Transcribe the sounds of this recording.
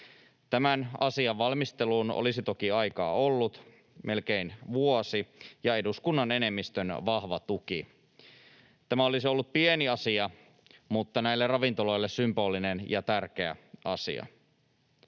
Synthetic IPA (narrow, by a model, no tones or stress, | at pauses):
t̪æmænɑsiɑʋʋɑlmist̪eluːno̰lisit̪o̞kiɑjkɑ̰ːolːut̪ | mʔe̞lkeinʋuosijɑe̞duskunːɑne̞nemːist̪ønʋɑhʋɑt̪uki | t̪æmæolisio̞lːut̪̚pieniɑsiɑ | mut̪ːɑnæilːerrɑʋint̪olo̞jlːessympo̞ːlinenjɑt̪ærk̟e̞æ̰ɑsḭɑ̰